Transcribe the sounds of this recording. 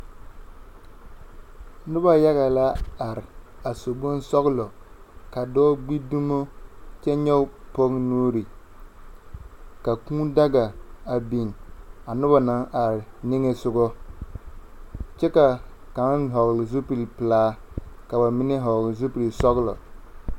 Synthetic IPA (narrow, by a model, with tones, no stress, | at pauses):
nʊ˦ba˨ja˦ɣa˨la˦a˨ɾɪ˨a˨so˨bʊ˦nsɔ˦ɣlɔ˨ka˨dɔː˦ɡ͡bi˦du˦mo˦t͡ʃɛ˦ɲɛ˦ʊ˦po˦ŋnoː˦ɾi˨ | ka˨kũː˦da˦ɡa˨a˨bi˨ŋ˨a˨nʊ˦ba˨na˦ŋʔa˨ɾɪ˨nɪ˦ŋɛ˨sʊ˦ɡɔ˦ | t͡ʃɛ˦ka˨ | ka˨ŋ˦ɦɔ˨ɣlɪ˨zu˦pi˨lpɨ˨laː˦ka˨ba˨mɪ˦nɛ˦ɦɔ˨ɡlɪ˨zu˦pi˨lsɔ˦ɣlɔ̰˨